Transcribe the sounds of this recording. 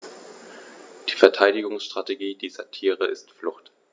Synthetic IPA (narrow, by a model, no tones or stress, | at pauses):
d̥iːfɛɐtʰaɪdɪɡʊŋsʃtʁ̥ateɡiːdiːzɐtʰiːʁəʔɪstflʊχt